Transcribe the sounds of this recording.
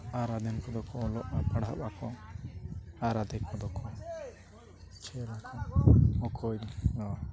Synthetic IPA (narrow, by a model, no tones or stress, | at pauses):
aɾad̪ɛnkɔd̪ɔkɔːlɔʔapaɽabakɔ | aɾad̪ɛkʰɔd̪ɔkʰɔ | t͡ʃʰɛlakʰɔɔkʰɔjd̪ɔ